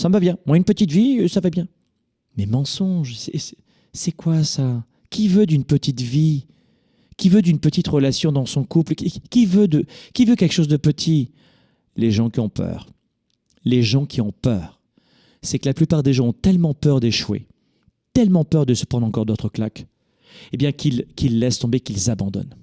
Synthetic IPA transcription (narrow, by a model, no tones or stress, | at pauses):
saməvabjɛ̃mwaynpət̪it̪visavabjɛ̃ | mɛmɑ̃sɔ̃ʒsɛ̰sɛ | sɛkwasa | kʲivød̪ynpət̪it̪vi | kʲivød̪ynpət̪it̪ʁəlasjɔ̃d̪ɑ̃sɔ̃kuplkʲivød̪əkʲivøkʲɛlkə̥ʃozd̪əpət̪ʰi | leʒɑ̃kʲiɔ̃pœ̰ːʁ | leʒɑ̃kʰʲiɔ̃pœːʁ | sɛkəlaplypaʁd̪eʒɑ̃ɔ̃t̪ɛlmɑ̃pœʁd̪eʃwḛ | t̪ɛlmɑ̃pœʁd̪əsə̥pχɑ̃d̪ʁɑ̃kɔʁd̪ot̪χəklak | ebjɛ̃kilkʲʰilːɛst̪ɔ̃bekʲilzabɑ̃d̪ɔ̰n